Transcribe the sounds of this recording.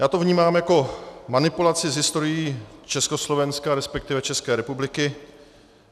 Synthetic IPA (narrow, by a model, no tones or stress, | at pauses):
jaːt̪ovɲiːmaːmjako̞manɪpulat͡sɪzɦɪst̪o̞ɾɪjiːt͡ʃɛsko̞slo̞vɛnskaɾɛspɛk̚t̪ɪvɛt͡ʃɛskɛːɾɛpublɪkɪ